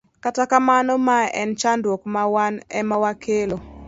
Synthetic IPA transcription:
katakamanɔmaʔɛnt͡ʃandwokmawanɛ̰mawakʰelo

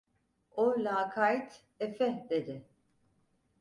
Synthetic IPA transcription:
olʲaːkʰajt̪ʰ | ɛfɛd̪ed̪ɪ

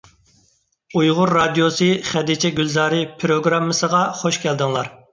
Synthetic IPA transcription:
ujʁʊɾːɑd̪ijosɨχæd̪it͡ʃʰɛɡʲylzɑːɾɨpʰɾoɡɾɑmːɨsəʁɑχoʃkʲæld̪ɪŋlˠɑɾ

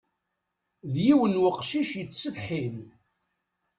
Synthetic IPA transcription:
ðjiwənwəqʃiʃjət͡sːsəðħin

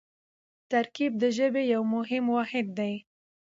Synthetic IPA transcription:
t̪aɾkib̚d̪əʒəbejawmʊɦɪmwɑhɪd̪ːaj

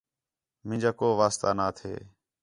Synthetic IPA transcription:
mɪ̃ːd͡ʒaːkoːʋaːst̪aːnaːt̪ʰḛː

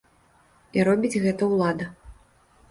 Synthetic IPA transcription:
iɾɔbʲid͡zʲɣɛt̪ɐwlˠad̪ɐ

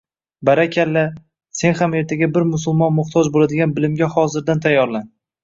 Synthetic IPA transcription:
baɾakʲʰalːa | se̞nhame̞ɾt̪ʰaɡʲabɪɾmʊsʊlˠmɒnmʊχt̪ʰɒd͡ʒbolad̪ɪɡʲanbɪlɪmɡʲahɒzɪɾd̪ant̪ʰajːɒɾlan

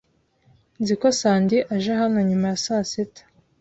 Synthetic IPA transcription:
nziko̞saːndiʔaʒaɦano̞ɲumajasasetḁ

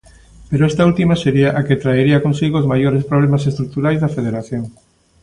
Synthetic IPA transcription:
peɾoest̪ault̪imaseɾiaʔaket̪ɾaeɾiɐkonsiɣoozmajoɾespɾoβlemasest̪ɾuk̚t̪uɾajzðafeð̞eɾaθjoŋ

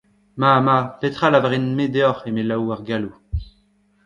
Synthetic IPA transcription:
mamapet̪χalavaʁinmed̪eɔχemelawaʁɡalu

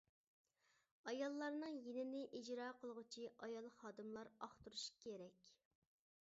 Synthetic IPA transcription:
ɑjɑlˠːɑɾnɨŋjenɪnɪʔid͡ʒɾɑːqʰəlˠʁʊt͡ʃʰiʔɑjɑlˠχɑːd̪ɨmlˠɑɾɑχt̪uɾuʃkʲʰeɾɛkʲ

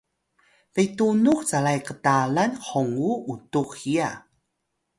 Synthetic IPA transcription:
vejtunuxt͡salajkətalanħoŋuutuxia

